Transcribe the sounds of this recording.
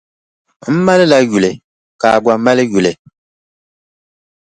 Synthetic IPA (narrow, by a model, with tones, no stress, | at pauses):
m̩˦ma˦lɨ˦la˦ju˨lɨ˨ | ka˨ɡʷa˨ma˦lɨ˦ju˨lɨ˨